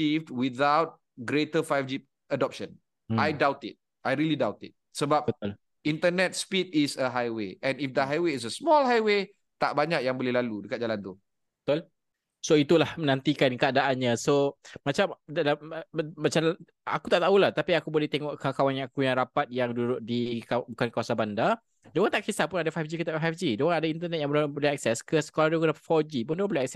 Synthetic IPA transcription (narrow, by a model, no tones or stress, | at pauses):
ifdwiθawt̚ | ɡɾetəfajfd͡ʒi | ədɔp̚ʃə̃n | ajdawtit̚ | ʔajɾilidawtit̚səbap̚bət̪ʊl | int̪ənɛt̚spitisəɦajweɛ̃nifd̪əɦajweis̬əsmɔlɦajwe | t̪aʔbaɲak̚jaŋbolɛhlaludəkat̪̚d͡ʒalant̪u | bət̪ʊl | soit̪ulahmə̃nãnt̪ikankəadaʔanɲãsomat͡ʃamdalammat͡ʃaml | a̰kut̪aʔt̪aulaht̪apiakubolɛht̪eŋɔʔkəkawanjaakujaŋɾapat̪̚jaŋdudʊʔ̚dikabukankəwasabanda | doɣãnt̪aʔkisapʊnadafajfd͡ʒikət̪afajfd͡ʒidoaŋadaint̪ənɛt̪̚jãŋblbolɛhɛk̚sɛskəskaldakənafɔd͡ʒipundoapboleɛk̚sɛ